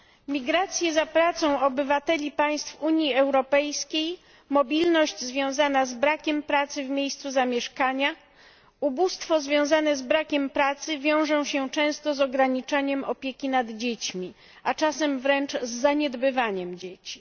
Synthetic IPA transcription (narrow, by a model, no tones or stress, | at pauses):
mʲiɡɾat̪sʲjɛzapɾat̪sɔ̃w̃ɔbɘvat̪ɛlʲipaj̃st̪fuɲjiɛwɾɔpɛjskʲej | mɔbʲilnɔʑd͡ʑzvʲjɔ̃w̃zanazbɾakʲɛmpɾat̪sɘvmʲjejst̪suzamʲjɛʂkaɲa | ubust̪fɔzvʲjɔ̃w̃zanɛzbɾakʲɛmpɾat̪sɘvʲjɔ̃w̃ʐɔ̃w̃ɕɛt͡ʂɛ̃w̃st̪ɔzɔɡɾaɲit͡ʂaɲɛmɔpʲjekʲinad̪d͡ʑet͡ɕmʲi | at͡ʂasɛmvɾɛnt͡ʂzːaɲɛd̪bɘvaɲɛmd͡ʑet͡ɕi̥